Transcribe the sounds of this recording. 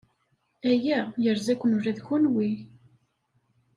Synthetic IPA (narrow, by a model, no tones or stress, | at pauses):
æjæjəɾzækʷːənuɾæðçunwi